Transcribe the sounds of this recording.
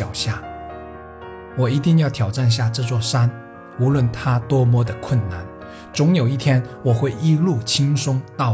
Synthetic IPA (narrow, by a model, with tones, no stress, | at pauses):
ɑ˨˩ʊɕja˥˩ | wɔ˨˩i˧˥t̪i˥˧ŋjɑ˥˩ʊt̪ʰjɑ˨˩ʊʈ͡ʂa˥˧nɕ̬ja˥˧ʈ͡ʂ̩˥˧t͡swɔ˥˩ʂa˥n | u˧˥lwə˥˩nt̪ʰa˥t̪wɔ˥mwɔ˥d̪ə˨kʰwə˥˩nna˥˩n | t͡sʊ˧˥ŋjo˨˩ʊi˥˩t̪ʰjɛ˥nwɔ˨˩xwe˥˩ɪi˥lu˥˩t͡ɕʰi˥ŋʂʊ˥ŋt̪ɑ˥˩